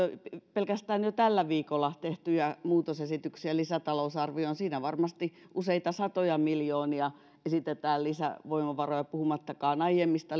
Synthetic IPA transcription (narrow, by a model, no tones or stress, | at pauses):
ppelkæst̪æːnjot̪ælːæʋiːkolːɑt̪eht̪yjæmuːt̪osesit̪yksiælisæt̪ɑlousɑrʋioonsiːnæʋɑrmɑst̪i | ʔuseit̪ɑsɑt̪ojɑmiljoːniɑ | esit̪et̪æːllisæ̰ʋoimɑʋɑrojɑpuhumɑt̪ːɑkɑːnɑijemːist̪ɑ